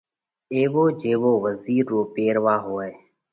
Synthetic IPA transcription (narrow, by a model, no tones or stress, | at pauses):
eːʋoːd͡ʒeːʋoːʋəziːɾːoːpeːɾʋaːɦoːeː